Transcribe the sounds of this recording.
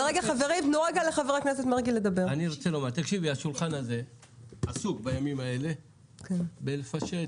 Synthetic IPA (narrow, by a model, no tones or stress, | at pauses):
ʁeɡaχave̞ʁimnoʁaɡaleχaveʁakneset̪meʁɡile̞d̪abe̞ʁaniʁot͡selo̞maʁt̪akʃiviaʃulχanaze̞ | asukbajamimae̞le̞ | kʰenbelefaʃe